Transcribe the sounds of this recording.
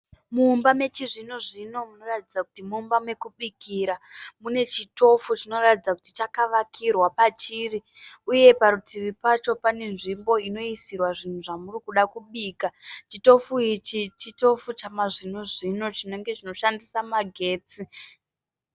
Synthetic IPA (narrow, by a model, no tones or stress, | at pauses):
muːmbame̞t͡ʃiʐinoʐino̞muno̞ratid͡zaku̥timuːmbamwe̞kuɓikiɾamune̞t͡ʃito̞fut͡ʃino̞ratid͡zakuti̥t͡ʃakaʋakʰirwapat͡ʃiːriuje̞paɾutiʋipat͡ʃo̞pane̞nʐimbo̞ino̞isirwaʐin̤uʐamurikuɗakuɓiːkat͡ʃito̞fuit͡ʃit͡ʃito̞fut͡ʃamaʐinoʐino̞t͡ʃino̞ŋɡe̞t͡ʃino̞ʃandisamaɡʱe̞ːt͡si